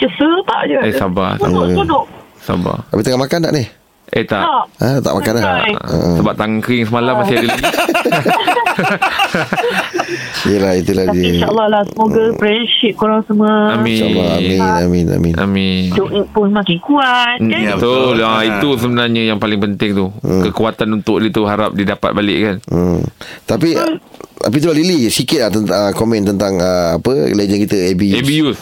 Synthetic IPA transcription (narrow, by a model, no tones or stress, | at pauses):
t͡ʃəsət̪a̰ʔd͡ʒuesaba̰sa̰ʊʔudʊʔsa̰ba̰t̪apit̪əŋaʔmakandaʔnih | ʔet̪aʔʔat̪a̰ʔmakanlaə̰ʔsəbap̚t̪aŋkɾɪŋsəmalamːasɪdila | ijəlahit̪ulahaʃaʔəlːɔhlahsəmoɡapɾɛəʃip̚kuɾaŋsəməamĩa̰lːɔaminamina̰mĩna̰minuʔipʊnmãkɪŋkuat̪̚abəbət̪uait̪usəmənaɲəjaŋpalɪŋpənt̪ɪŋt̪ukəkuat̪anunt̪ʊk̚dit̪uɦaɾa̰p̚didapa̰t̪̚balɪʔkan | t̪apit̪a̰pit̪̬ulalilisikɪt̪̚at̪ənəkomɛ̃nt̪ənt̪aŋəapəled͡ʒənkit̪əebiebijus